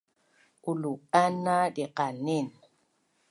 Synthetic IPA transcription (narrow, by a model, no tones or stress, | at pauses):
kuluanadiqanin